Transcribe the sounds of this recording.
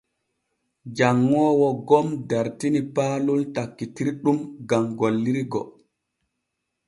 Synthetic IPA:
d͡ʒaŋːɔːwɔɡɔmdaɾtinipaːlultakːitiɾɗumɡamɡolːiɾiɡɔ̰

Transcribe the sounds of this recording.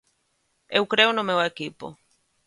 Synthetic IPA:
ewkɾeonomeoekipo̰

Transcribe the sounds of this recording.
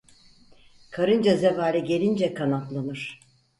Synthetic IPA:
kʰaɾɯnd͡ʒazevaːlʲiɟe̞lʲind͡ʒɛkʰanat̪lˠanɯɾ̥

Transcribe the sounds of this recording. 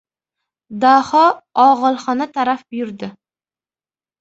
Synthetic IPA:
d̪ahɒɒʁɨlˠχɒnat̪ʰaɾafbʊjʊɾd̪ɪ

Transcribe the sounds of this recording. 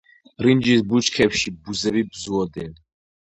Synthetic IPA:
ɾind͡ʒisbut͡ʃkʰɛpʃibuzɛbibzuɔd̪ɛn

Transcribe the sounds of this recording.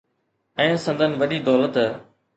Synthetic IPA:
ɛ̃ːsə̃nd̪ʱənʋəɗiːd̪ɔːlət̪

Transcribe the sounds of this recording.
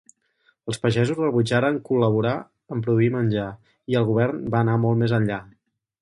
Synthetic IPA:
əlˠspəʒɛzuzrəβud͡ʒaɾəŋkuləβ̞uɾa | əmpɾuðuimənʲʒa | iəlˠɣuβ̞ɛɾnbaənamɔlˠtmezənʎa

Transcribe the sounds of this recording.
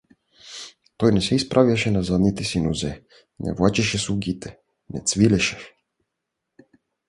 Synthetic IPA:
t̪ojnɛsɛispɾʔavjaʃɛnazad̪nit̪isinuzɛ | nʔɛ̰vwat͡ʃiʃɛsuɡit̪ʰɛ | nɛt̪sʋilɛʃɛ̥

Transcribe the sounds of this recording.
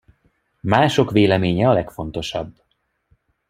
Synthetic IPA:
maːʃo̞kʋeːlɛmeːɲɛɒlɛkfo̞nt̪o̞ʃɒbː

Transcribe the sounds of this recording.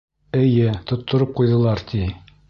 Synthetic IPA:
ɘ̆jɘt̪ŏt̪ːŏɾɤp̚qujðɤ̆lˠɑɾt̪ʰi

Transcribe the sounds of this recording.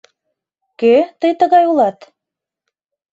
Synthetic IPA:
køt̪əjt̪ə̆ɣɑjulɑt̪

